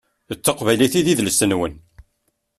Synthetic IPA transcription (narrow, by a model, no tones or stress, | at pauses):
ət͡sːəqvæjliθiðiðlsənwən